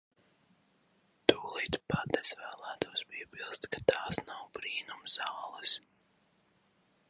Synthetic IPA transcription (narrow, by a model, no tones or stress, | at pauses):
t̪uːlˠit̪pad̪ɛsvæːlˠæːt̪uɔspiɛbʲilˠst̪kḁt̪aːsnawbɾiːnumzɑːlˠɛs